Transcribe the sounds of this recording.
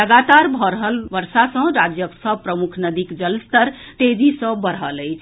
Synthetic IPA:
əɡat̪aɾbʱɔɾəɦəlʋəɾsasə̃ɾad͡ʒjəksəpɾəmukʰnəd̪ikd͡ʒəlst̪əɾ | t̪ed͡ʒisə̃bəɾɦələɪt͡ʃʰ

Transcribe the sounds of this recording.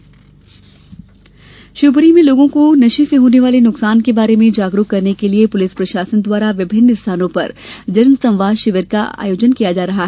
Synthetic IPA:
ʃʊbɾimẽloːɡõkonɐʃĩseɦoːneʋaːlenʊksaːnkebaːɾemẽd͡ʒaːɡɾukkɐɾnekeliepʊlɪspɾɐʃaːsənd̪waːɾaʋɪbʱɪnːɪst̪ʰaːnõpɐ̰ɾd͡ʒɐɾnsɐ̃mʋaːʃɪʋəɾkaa̰ːjoːd͡ʒənkijad͡ʒaːɾɐɦaɦɛ

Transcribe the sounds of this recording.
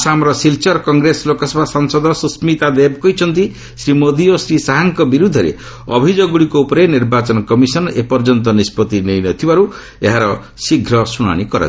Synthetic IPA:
samɾɔsilt͡ʃɔɾkɔŋɡɾeslokɔsɔbʱasɔŋsɔd̪ʱɔsusmit̪ad̪ebkɔɦit͡ʃʰɔnt̪i | sɾimod̪iosɾisaɦaŋkɔbiɾud̪ʱɔɾḛ | ɔ̰bʱid͡ʒoɡuɽikoupɔɾeniɾbat͡ʃɔnɔkɔmisɔnepɔɾd͡ʒɔnt̪̬ɔnispɔt̪inejnɔt̪ʰibaɾu | eɦaɾɔ | siɡʱɾɔsuɽ̃a̰ɽ̃ikɔɾa̰

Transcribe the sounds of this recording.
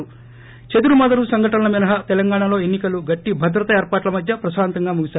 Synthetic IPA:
u | t͡ʃed̪uɾumɐd̪ɐɾusɐŋɡʱɐʈɐnɐlɐminɐɦɐt̪ɛlɐŋɡaːɳɐlo̞ːenːikɐluɡɐʈːibʱɐd̪ɾɐt̪ɐeːɾpaːʈlɐmɐd̪ʱjɐpɾɐʃaːnt̪ɐŋɡaːmuɡisaː

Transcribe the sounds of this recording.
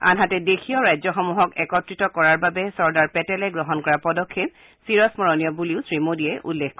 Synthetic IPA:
a̰nɦatɛdexʰijɔɹajzɔxɔmuɦɔkɛkɔtɹitɔkɔɹaɹbabɛsɔɹdaɹpɛtɛlɛɡɹɔɦɔnkɔɹapɔdɔkʰːep̚ | siɹɔsmɔɹɔnijɔbuliʊsɹimodiɛʔṵlːekkɔ

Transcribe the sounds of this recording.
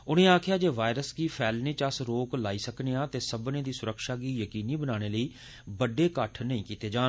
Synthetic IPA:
ʊñẽːaːkʰjaːd͡ʒeːʋaːɪɾəsɡiːpʰɛːlnẽːt͡ʃəsɾoːklaːiːsəknejãːt̪eːsəbnẽːd̪iːsʊɾəkʃaːɡiːjəkiːniːbənaːɽ̃eːləiː | bəɖeːkəʈʰnəĩːkiːt̪eːd͡ʒãːn

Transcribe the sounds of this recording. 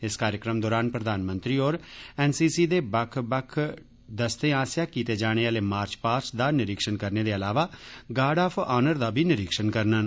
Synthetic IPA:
ɪskaːɾjəkɾəmd̪ɔːɾaːnpɾəd̪aːnmə̃nt̪ɾiːoːɾɛːnsiːsiːd̪eːbəkʰbəkʰ | d̪əst̪ẽːaːsjaːkiːt̪eːd͡ʒaːɽ̃eːaːleːmaːɾt͡ʃpaːɾsd̪aːnɪɾɪkʃənkəɾneːd̪eːəlaːʋaːɡaːɖaːpʰʔaːnəɾd̪aːbʱiːnɪɾɪkʃənkəɾnən

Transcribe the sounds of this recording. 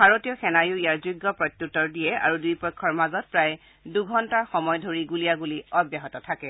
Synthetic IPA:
bʱaɹotijɔxɛnajʊijaɹzuɡːɔpɹɔtːutːɔɹdijɛa̰ɹudujpɔjkʰːɔɹmazɔt̚pɹaj | duɡʱɔntaɹxɔmɔjdʱoɹiɡulijaɡuliɔbjaɦɔtɔtʰakɛ

